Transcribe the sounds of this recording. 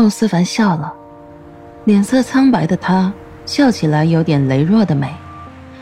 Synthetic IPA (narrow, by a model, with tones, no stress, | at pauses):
o˥˧ʊsɹ̩˥fa˧˥nɕjɑ˥˩ʊlə˩ | ljɛ˨˩nsɤ˥˩t͡sʰa˥ŋpa˧˥ɪd̪ə˧t̪ʰa˥ | ɕjɑ˥˩ʊt͡ɕʰi˨˩la˧˥ɪjo˧˥ʊt̪jɛ˨˩nle˧˥ɪɻwɔ˥˩d̪ə˩me˨˩˦ɪ